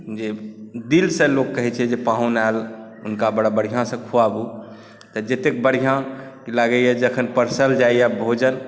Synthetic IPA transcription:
d͡ʒed̪ilsə̃lokːəɦɛt͡ʃʰɛd͡ʒepãɦunal | unkabəɽabəɽ̤ijãsə̃kʰuabu | t̪əd͡ʒet̪ek̚bəɽ̤ijãkilaɡəjɛd͡ʒeəkʰənpəɾsəld͡ʒaijabʱod͡ʒən

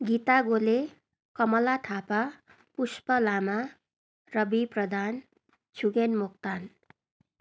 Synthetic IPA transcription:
ɡit̪aɡole | kʌmʌlaʈʰapa | puspʌlama | rʌbiprʌd̪ʱan | t͡sʰuɡenmuk̚t̪an

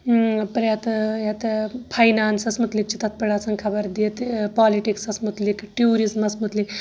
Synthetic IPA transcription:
pɾjat̪jat̪pʰajnaːnsɐsmut̪lik̚t͡ʃit̪at̪̚pəɭat͡sɐŋkʰɐbɐɾd̪iet̪paːliʈiksɐsmut̪likʈjuːɾizmɐsmut̪lik

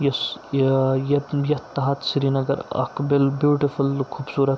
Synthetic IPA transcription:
jɐs | jɐjɐt̪ːɐɦɐt̪siɾinɐɡɐɾɐ̰kbɪlbjuːʈifulkʰuːbsuːɾɐt̪

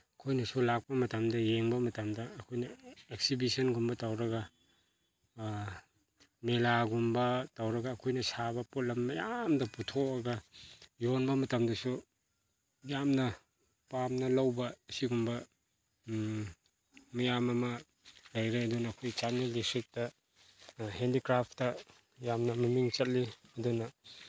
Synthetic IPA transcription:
ɐkʰojnɐsulak̚pɐmɐtɐmdɐjeŋbɐmɐtɐmdɐːkʰojnɐek̚sibisɐnɡumbɐtawɾɐɡɐ | melaɡumbɐtawɾɐɡɐːkʰojnɐsabɐpot̚lɐmːɐjamdɐputʰokɐɡɐjonbɐmɐtɐmdɐsu | jamnɐ | pamnɐlɐwbɐsiɡumbɐ | mɐjamɐmɐ | lɐjɾeɐdunɐːkʰojt͡ʃanelisik̚tɐ | hendikɾapʰtɐ | jamnɐmɐmiŋt͡ʃɐt̚liɐdunɐ

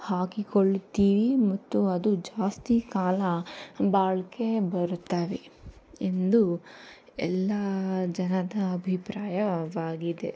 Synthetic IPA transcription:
haːkikoɭt̪iːʋimɐt̪ːuɐd̪ud͡ʒaːst̪ikaːlɐbaːɭikːe̞bɐɾut̪ːaːʋe | ind̪u | ɛlːɐd͡ʒɐnɐd̪ɐɐbʱipɾaːjɐʋaːɡid̪e̞

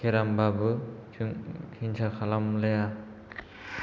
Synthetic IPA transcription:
kʰeɾambabɯ | kʰinsakʰalamleja

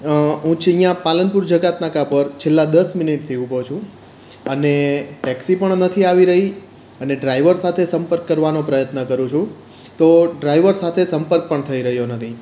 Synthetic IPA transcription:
ɦũt͡ʃʰijãpalənpuɾd͡ʒəɡat̪nakapəɾt͡ʃʰelːad̪əsmɪniʈt̪ʰiubot͡ʃʰũ | əneʈɛksipəɳnət̪ʰiaʋiɾəɦi | əneɖɾaiʋəɾsat̪ʰesəmpəɾkːəɾʋanopɾəjət̪nəkəɾũt͡ʃʰũ | t̪oɖɾaiʋəɾsat̪ʰesəmpəɾk̚pəɳt̪ʰəiɾəɦjonət̪ʰi

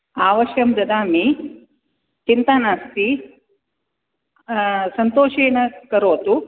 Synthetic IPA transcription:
aːʋɐʃjɐmd̪ɐd̪aːmi | t͡ʃint̪aːnaːst̪i | sɐnt̪oːʃeːnɐkɐɾoːt̪u

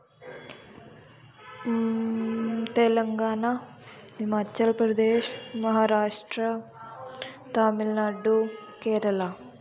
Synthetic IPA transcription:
t̪ɛlɐŋɡaːna | ɦimaːt͡ʃːɐlpɾɐd̪eːʃmɐɦaːɾaːʂʈɾɐ | t̪aːmilnaːɖukɛːɾɐlɐ

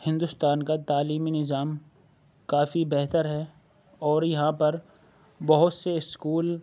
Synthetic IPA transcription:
hɪ̃nd̪ʊst̪aːnkat̪aːliːminɪzaːm | kaːfibɛɦt̪əɾɦɛ | ɔːɾjɐɦãpɐɾ | bɐɦʊt̪seɪskuːl

